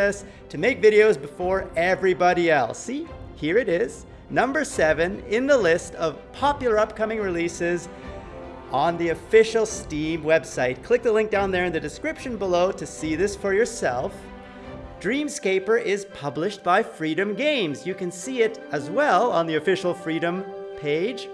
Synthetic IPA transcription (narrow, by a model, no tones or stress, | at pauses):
ɛs | tʰɨmeɪkvɪɾioʊzbɨfɔɹɛvɹibɑɾiɛlˠsihiɹɨɾɪz̥ | nʌ̃mbə˞sɛvɨ̃nɪ̃nðəlɪstʰʌv̥pʰɑpjl̩ˠə˞ʌp̚kʰʌmɪ̃ŋɹɨlisɪz | ʔə̃nðiɨfɪʃl̩ˠstĩmwɛb̥saɪt̚kʰl̥ɪk̚ðəlɪ̃ŋk̚d̥ãʊ̃nðə˞ɨ̃nðɨdɨskɹɪpʃɨ̃nbəloʊɾɨsiðɪsfə˞jə˞sɛ̰lˠf | d̥ɹĩmskeɪpə˞ʔɪz̥pʰʌblɨʃtb̥aɪfɹiɾɨ̃mɡẽɪ̃mzjɨkɨ̃nsiɪɾəzwɛlˠə̰̃nðiɨfɪʃl̩ˠfɹiɾɨ̃mpʰeɪd̥ʒ̥